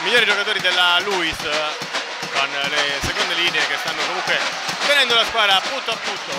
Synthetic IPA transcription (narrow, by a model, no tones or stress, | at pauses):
miʎjːoːɾid͡ʒokat̪oːɾid̪elːaluis | konlesekond̪eliːneːkest̪anːokomuŋkwe | t̪enɛnd̪olaskwaːd̪ɾaːpːunt̪oapːunt̪o